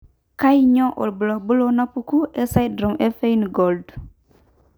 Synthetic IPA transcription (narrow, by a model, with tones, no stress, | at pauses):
ka˦jɲo˦ʔo̰˨lbə˨lo˨bu˦lo˦na˦pu˦ku˦e˦sa˦jdɾo˨mʔe˦fe˦inɡold